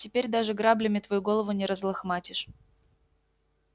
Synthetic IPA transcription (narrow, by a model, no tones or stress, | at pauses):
tʲɪpʲeɾʲd̪aʐɨɡɾablʲɪmʲɪt̪vɐjuɡo̞lˠəvʊnʲɪɾəzlˠɐxmatʲɪʂ